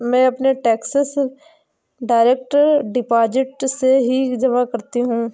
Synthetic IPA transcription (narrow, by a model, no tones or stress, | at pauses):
mɛ̃ɐpneʈɛːksəs | ɖaːɪɾeːk̚ʈəɾɖɪpaːd͡ʒɪʈseɦid͡ʒɐmakɐɾt̪iɦũː